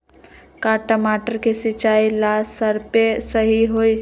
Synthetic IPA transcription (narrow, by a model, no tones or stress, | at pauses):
kaːʈəmaːʈəɾkesɪt͡ʃaːilaːsəɾpesəɦiɦoi